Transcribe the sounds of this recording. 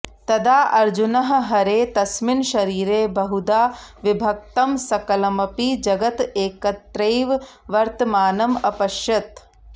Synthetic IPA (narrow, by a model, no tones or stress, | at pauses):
t̪ɐd̪aːʔɐɾd͡ʒunɐɦɐ̆ɦɐɾeːt̪ɐsminʃɐɾiːɾeːbɐɦud̪aːʋibʱɐk̚t̪ɐmsɐkɐlɐmɐpid͡ʒɐɡɐt̪eːkɐt̪ɾɐjʋ | ʋɐɾt̪ɐmaːnɐmɐpɐʃjɐt̪